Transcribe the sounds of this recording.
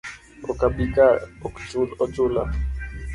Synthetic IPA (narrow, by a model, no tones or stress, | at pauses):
okaɓikaokt͡ʃulot͡ʃula̰